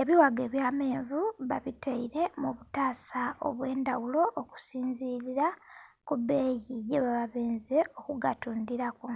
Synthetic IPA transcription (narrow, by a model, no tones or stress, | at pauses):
e̞βiwaɡe̞ːβjaːmeːɱvuβa̰βitʰeiɾe̞muβutaːsao̰βwe̞ːndawulo̞ʔːku̥siːnziliɾa | kubeːjiɟeβaβaβeːnzeo̞kuɡatuːndiɾaku